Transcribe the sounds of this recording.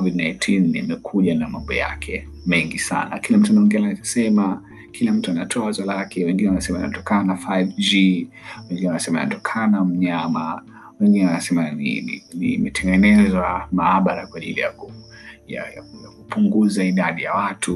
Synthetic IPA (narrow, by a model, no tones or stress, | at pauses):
kɔvidnajtʰinḭmɛkʰuʄanamambɔ̰ja̰kʰɛ | mɛŋɡisa̰na̰kilam̩tuanamiŋɡɛnaitḁsɛma | kʰilam̩tuanatʰɔazwalakɛwɛŋɡinɛwanasɛmaḭna̰tɔkananafajvd͡ʒi | wɛŋɡinɛwanasɛmaḭnatɔkʰanam̩ɲama | wɛŋɡinɛwanasɛmanḭḭnimɛtʰɛŋɡɛnɛzwamaːɓaɾakwaʄilija̰kuja̰ja̰kjakupuŋɡuzaiɗaɗijawatʰu